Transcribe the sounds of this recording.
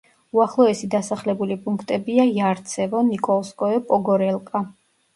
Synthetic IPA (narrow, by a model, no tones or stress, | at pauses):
uaχlˠɔɛsid̪asaχlɛbulipʼũŋkʰt̪ʼɛbiajaɾt̪sʰɛvɔnikʼɔlˠskʼɔɛpʼɔɡɔɾɛlˠkʼa